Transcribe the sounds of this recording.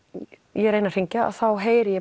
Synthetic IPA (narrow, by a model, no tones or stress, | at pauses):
jɛɾejnar̥iɲcaa̰ðθawɦeːjɾjɛ